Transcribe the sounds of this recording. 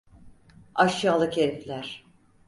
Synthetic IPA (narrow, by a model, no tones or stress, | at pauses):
aʃjaːlˠɯcʰeɾplʲæɾ̥